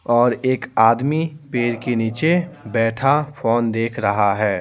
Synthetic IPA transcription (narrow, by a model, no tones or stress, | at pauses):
ɔːɾeːkaːd̪mipeːɾkeniːt͡ʃebɛːʈʰafʰoːnd̪eːkʰɾɐɦaɦɛː